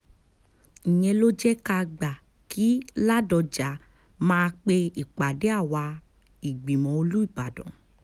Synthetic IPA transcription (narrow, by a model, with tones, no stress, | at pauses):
ĩ˨ɲ̃ɛ̃˧lo˦d͡ʒɛ˦ka˧ɡ͡ba˨ | ki˨˦la˦dɔ˧d͡ʒa˨˦ | mãː˧k͡pe˧i˨k͡pa˨de˨˦a˦˨wa˧ | i˨ɡ͡bi˨mɔ̃˨˦o˧lu˦i˦˨ɡ͡ba˨dɔ̰̃˨